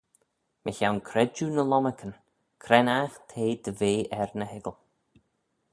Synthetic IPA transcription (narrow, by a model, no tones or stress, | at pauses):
mʔə̰çawnkʰɾɛd͡ʒunəlɔməkʰən | kʰɾɛnaxt̪ʰeːd̪əveːʔɛɾnəhɪɡəlˠ